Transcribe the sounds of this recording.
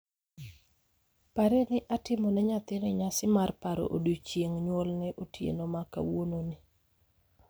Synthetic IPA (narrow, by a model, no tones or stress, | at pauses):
paɾɛnɪʔatɪmɔnɛɲat̪ɪnɪɲasɪmarpaɾo̰ʔodut͡ʃjeŋɲwolnɪʔotjḛnomaka̰wononɪ